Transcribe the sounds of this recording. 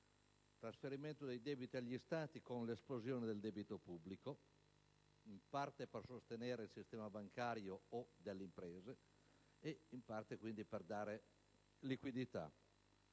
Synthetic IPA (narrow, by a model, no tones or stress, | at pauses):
t̪ɾasfeɾiment̪od̪ejd̪ɛːbit̪iaʎːist̪aːt̪ikonlesplozjoːned̪eld̪ɛbit̪opubːliko | impart̪epersost̪enɛːɾeilsist̪ɛːmabaŋkaɾjoːd̪elːeimpɾɛːzeː | impart̪ekwind̪iperd̪aːɾe | likwid̪it̪a̰